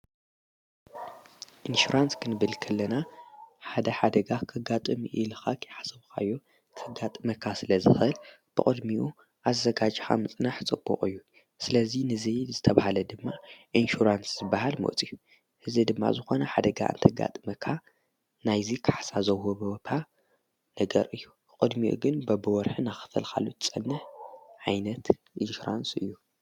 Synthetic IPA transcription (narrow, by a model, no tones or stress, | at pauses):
ʔinʃuɾanskʰɨnɨβɨlkʰɐlːɐnaħad̪ɐħad̪ɐɡakʰɨɡat̪ʼɨmiʔilɨxakʰjħasɐβkʰa̰jːo | kʰɨɡat̪ʼmɐkʰasɨlɐzɨxʔɨl | b̥ɨkʼɨd̪miʔu | ʔazːɐɡad͡ʒxa̰mɨt͡sʼnaħt͡sʼɨb̥ːṵqʼɨjːu | sɨlɐzinɨzizɨt̪ʰɐβahalɐd̪ɨmːaʔinʃuɾansz̥ɨbːaɦalmo̰ʔt͡sʼiu | ʔɨzid̪ɨmːa̰zɨxo̞nɐħad̪ɐɡaʔnt̪ʰɐɡa̰t̪ʼɨmɐkʰa | najzikʰḁħsazɐwhoβot̪ʰa | nɐɡɐ̰ɾɨjːu | kʼɨd̪miʔṵɡɨnbɐbɨwɔɾħɨnaxɨ̥fɨlkʰa̰lːut̪t͡sʼɐnːɨħʕajnɐt̪ | ʔinʃuɾa̰nsɨ̰jːu